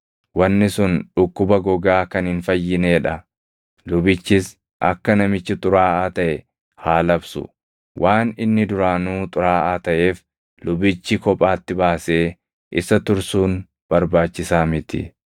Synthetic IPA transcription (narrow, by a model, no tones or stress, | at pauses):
wɐnːɪsʊnᶑʊkːʊbɐɡɔɡaːkɐnhɪnfɐjːɪne̞ːᶑɐ | lʊbɪt͡ʃːɪs | ʔɐ̰kːɐnɐmɪt͡ʃːɪt̪ʼʊɾaːʔaːt̪ɐʔɛ | haːlɐbsʊ̰ | wʔaːnɪnːɪd̪ʊɾaːnuːt̪ʼʊɾaːʔaːt̪ɐʔe̞ːf | lʊbɪt͡ʃːɪkɔpʼaːt̪ːɪbaːse̞ː | ʔɪsɐt̪ʊɾsuːn | b̥ɐɾbaːt͡ʃːɪsaːmɪt̪ɪ̰